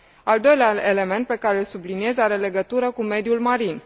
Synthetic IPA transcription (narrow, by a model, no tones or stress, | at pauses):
ald̪o̞jleaele̞me̞nt̪̚pe̞kaɾelsublinie̞zaɾe̞le̞ɡət̪uɾəkume̞d̪julmaɾin